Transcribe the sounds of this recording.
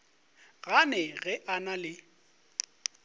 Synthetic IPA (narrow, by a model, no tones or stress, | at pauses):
ɣanɛɣɛʔanalɪ